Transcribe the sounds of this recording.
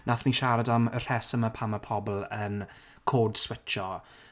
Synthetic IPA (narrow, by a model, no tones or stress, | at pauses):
nʔaθniʃaɾadamər̥ɛsəmapʰaməpʰɔbl̩ˠən | kʰoːd̥swɪt͡ʃt͡ʃɔ